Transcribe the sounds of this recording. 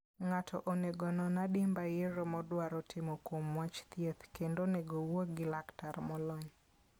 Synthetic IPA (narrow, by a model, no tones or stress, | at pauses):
ŋatʰɔʔoneɡɔnɔnadɪmbajeɾomɔdwaɾɔtɪmokwomwat͡ʃt̪jet̪kendoneɡowoɡɪlaktarmɔlɔɲ